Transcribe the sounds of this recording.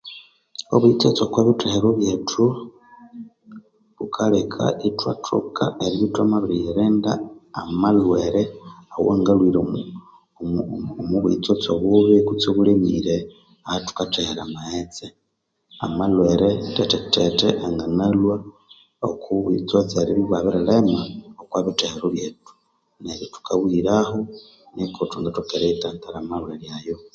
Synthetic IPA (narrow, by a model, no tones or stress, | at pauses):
oβuit͡sot͡sokwaβitʰeheɾoβjetʰu | βukʰalekʰa̰ʔitwatʰṵkʰaeɾiβitwamaβiɾiɾeːndaːmalweɾeawoŋɡalwiɾe | omuβuḭt͡sot͡soβuβikut͡soβulemḭɾe | ahatu̥katehɾamahet͡se | amalweɾeteteteteʔaŋɡanalwa | o̰kʰuβit͡sot͡seɾeβiβaβiɾalemaokwaːβiteɾoβjetu̥ | neɾitu̥kʰaβwiɾaho | nikʰotuŋɡatukeɾeitaːntaɾamalweljajo